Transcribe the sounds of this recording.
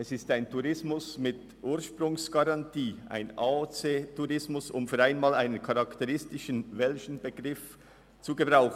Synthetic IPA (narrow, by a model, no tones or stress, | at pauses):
ʔɛsɪstaɪntʰuʁɪsmʊsmɪt | ʔuːɐʃpʁʊŋsɡ̥ɑʁɑntʰiːʔa̰ɪnaːot͡seːtʰuʁɪsmʊsʊmfyːɾaɪnmaːlaɪnənkʰɑʁɑktəʁɪstɪʃənvɛlçən̩bəɡʁɪf | t͡suɡəbʁaʊxn̩